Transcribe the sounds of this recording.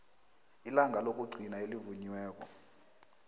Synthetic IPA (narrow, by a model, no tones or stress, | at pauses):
ilaŋɡʱalok̬ʼuɡ͡ǀʱinaelivuɲiwɛːk̬ɔ̰